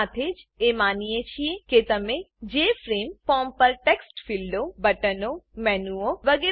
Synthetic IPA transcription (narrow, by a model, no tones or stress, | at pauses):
at̪ʰed͡ʒemaːnijet͡ʃʰijeket̪ɐmẽd͡ʒeːfʰɾeːmpɔːmpɐɾʈeːksʈfʰilɖobɐʈənomɛːnuoʋɐɡeː